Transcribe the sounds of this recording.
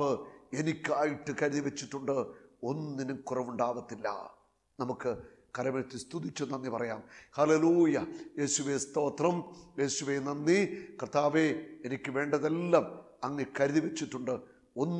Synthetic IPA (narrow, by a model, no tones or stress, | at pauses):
ɨenikʲːaːjiʈːɨkɐɾuðiʋet͡ɕːiʈːuɳɖɨo̞nːinukurɐʋuɳɖaːʋɐt̪ːilːɐ̰ | nɐmukːɨ | kɐɾɐmet̪ːist̪ud̪it͡ɕːunːɐnːipɐrɐjaːmhɐle̞luːjɐje̞ːsuʋest̪o̞ːt̪rɐmje̞ːsuʋeːnɐnːikrɨt̪aːʋeenikʲːɨʋe̞ːɳɖɐðelːɐm | ɐŋːekɐɾuðiʋet͡ɕːiʈːuɳɖɨ | o̞nː